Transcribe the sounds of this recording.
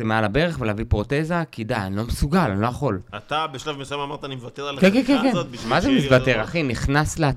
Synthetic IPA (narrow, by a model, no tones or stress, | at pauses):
zemealabe̞ʁeχveleavipʁo̞tezakid̪aanlo̞mesuɡalanlo̞jaχo̞lat̪abeʃlavmesajomamaʁt̪animevat̪eʁalkenkenkenkenmazemisvat̪eʁaχiniχnaslea